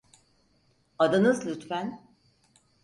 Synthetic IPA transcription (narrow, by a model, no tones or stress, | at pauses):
ad̪anɯzlʲyt̪fæn